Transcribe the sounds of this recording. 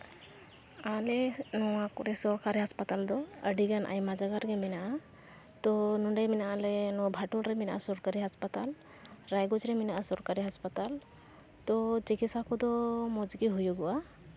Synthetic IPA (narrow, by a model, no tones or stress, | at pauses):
alɛnɔwakɔɾɛsɔɾkaɾiɦaspat̪ald̪ɔəɖiɡanʔa̰jmad͡ʒaɡaɾɡɛminaʔa | t̪ɔnuɳɖajminaʔalɛnɔbʱaʈulɾɛminaʔa̰sɔɾkaɾiɦaspat̪al | ɾajɡɔd͡ʒɾɛminaʔasɔɾkaɾiɦaspat̪al | t̪ɔt͡ʃiɡisakud̪ɔmɔd͡ʒɡiɦujuɡɔwa